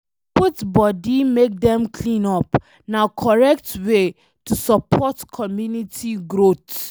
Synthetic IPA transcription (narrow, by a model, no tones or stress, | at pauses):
putbɔdimek̚dɛ̃mkʰlĩnɔp | nakʰɔɹɛk̚twe | tusɔpʰɔtkʰɔmjunitʰiɡɹot